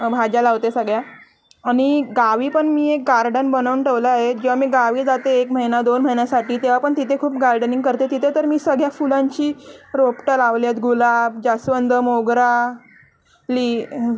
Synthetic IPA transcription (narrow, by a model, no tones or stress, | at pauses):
bʱad͡ʑalaʋt̪esəɡɭja | aɽ̃iɡaʋiːpəɳmiːek̚ɡaɾɖənbənəʋuɳʈʰeʋləaɦed͡ʑeʋamiːɡaʋiːd͡zat̪eːkməɦinad̪onm̤əɦinjasaʈiːt̪eʋapəɳt̪it̪ʰekʰuːp̚ɡaɾɖəniŋɡkəɾt̪et̪it̪ʰet̪əɾmiːsəɡɭjafulãɲt͡ɕiːɾopʈəlaʋljat̪ɡulab̚d͡ʑasʋənd̪əmoɡɾa | liː